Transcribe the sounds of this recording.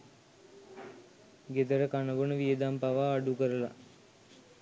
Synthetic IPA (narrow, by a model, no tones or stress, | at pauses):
ɡed̪əɾəkanəʋonəʋijəd̪ampaʋaːɖukəɾəla̰